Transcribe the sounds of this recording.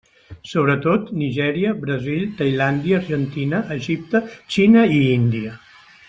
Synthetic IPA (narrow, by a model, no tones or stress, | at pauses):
soβ̞ɾət̪ot̪niʒɛɾiəbɾəzilt̪əjland̪iəːɾʒənt̪inəʔːʒip̚t̪ət͡ʃinəiind̪iə